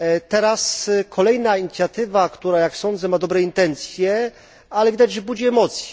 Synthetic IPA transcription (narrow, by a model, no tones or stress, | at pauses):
t̪ɛɾaskʰɔlɛjnaiɲit̪sʲjat̪ɘvakt̪uɾajaksɔnd̪zɛmad̪ɔbɾɛint̪ɛnt̪sʲjɛ | alɛvʲid̪ad͡ʑʐɛbud͡ʑiɛmɔt̪sʲjɛ